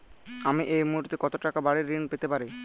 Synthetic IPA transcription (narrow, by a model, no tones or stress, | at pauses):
amiʔejmuɦuɾt̪ekɔt̪oʈakabaɽiɾːinpet̪epaɾi